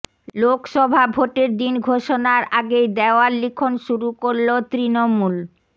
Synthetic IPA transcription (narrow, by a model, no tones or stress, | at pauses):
lokʃɔbʱabʱoʈeɾd̪inɡʱoʃonaɾaɡejd̪eoalikʰonʃuɾukoɾlot̪ɾinomul